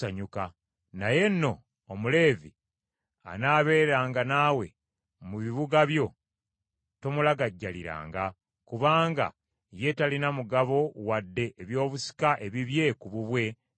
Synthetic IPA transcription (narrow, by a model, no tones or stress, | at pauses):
aɲuka | naje̞nːo̞ː | mule̞ːvi | a̰naːβe̞ːɾaːŋɡanaːwe̞ | muβiβuɡaβjo̞ | to̞mulaɡaɟːaliɾa̰ːŋɡa | kuβaːŋɡa̰ | je̞talinamuɡaβo̞wadːe̞ʔːβjo̞ːβusi̥kaʔe̞βiβje̞kuβuβwe̞